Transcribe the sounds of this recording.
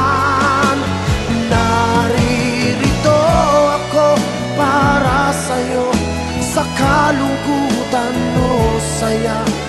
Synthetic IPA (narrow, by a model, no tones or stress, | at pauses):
n | nɐɾi | ɾɪt̪oɐko | paːɾɐsɐjo | sɐkɐlʊɡut̪ɐnːosɐja